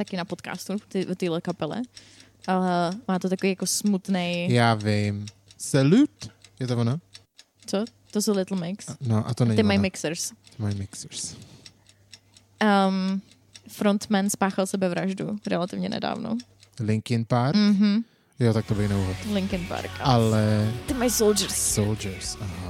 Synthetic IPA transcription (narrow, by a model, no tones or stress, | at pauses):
t̪akɪnapot̪ka̰ːst̪ut̪ɪvot̪ilɛkapɛlɛ̰ | ʔalɛmaːt̪ot̪akovijakosmut̪nejjaːvɪm | sɛlut̪jɛt̪ovona | t͡so | t̪osowlɪt̪l̩mɪksnoʔa̰t̪onɛɲɪmajmɪksəɾst̪ɪmajmɪksɾs | ʔəm | fɾont̪mɛnspaːxalsɛbɛvɾaʒdṵɾɛ̰lat̪ɪvɲɛnɛ̰da̰ːvno̰ | lɪŋkɪnpaɾk̩ɦm̩ | jot̪ak̚t̪obɪxnɛuɦot̪lɪŋkɪnpa̰ɾkalɛt̪ɪmajsowld͡ʒəɾssold͡ʒɛɾsaɦ